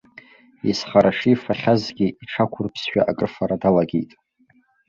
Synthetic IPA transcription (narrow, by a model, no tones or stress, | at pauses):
isχaɾʔaʂifaχʲazɡʲiiʈ͡ʂʰakʷʰʊrpʰsʃᶣaʔakʼrfaɾadalaɡʲejtʼ